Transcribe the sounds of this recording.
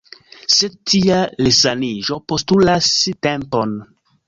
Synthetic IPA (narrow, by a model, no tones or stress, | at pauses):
setʰialesaniʒo̞postulastempon